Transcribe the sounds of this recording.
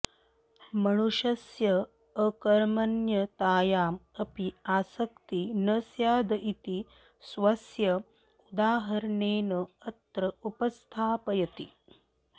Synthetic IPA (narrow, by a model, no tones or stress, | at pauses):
mɐɳuʃɐsjɐː | kɐɾmɐnjɐt̪aːjaːmɐpiaːsɐk̚t̪inɐsjaːd̪ɐʔit̪i | sʋɐsjɐ | ud̪aːɦɐɾɐneːnɐɐt̪ɾɐupɐst̪ʰaːpɐjɐt̪ḭ